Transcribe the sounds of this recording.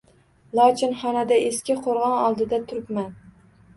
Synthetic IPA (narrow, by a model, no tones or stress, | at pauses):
lˠɑt͡ʃʰɪnχɑnɛd̪ɛeskʲɪqʰoɾʁɑnɑlˠd̪ɨd̪ɛt̪ʰʊɾɨpmæn